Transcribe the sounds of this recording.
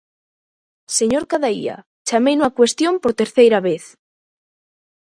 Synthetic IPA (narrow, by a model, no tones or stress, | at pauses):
seɲoɾkaðaḭa̰ | t͡ʃamejnuakwest̪jompoɾt̪eɾθejɾaβeθ